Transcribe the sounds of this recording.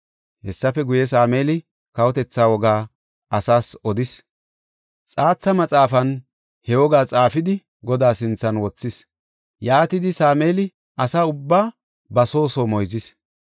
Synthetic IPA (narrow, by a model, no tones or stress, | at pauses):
hɛsːɐfɛɡʊjɛsaːmeːlɪ | kɐwɔt̪ɛt͡sːaːwɔɡaː | ʔɐsaːsɔd̪ɪs | t͡sʼaːt͡sːɐmɐt͡sʼaːfɐn | hɛwɔɡaːt͡sʼaːfɪd̪ɪ | ɡɔd̪aːsɪnt͡sːɐnwɔt͡sːɪs | jaːt̪ɪd̪ɪsaːmeːlɪ | ɐsaːʊbːaː | bɐso̞ːsoːmɔjzɪs